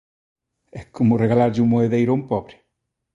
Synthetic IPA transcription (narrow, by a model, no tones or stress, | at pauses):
ɛkomʊreɣalaɾʎumoeðejɾompɔβɾɪ̥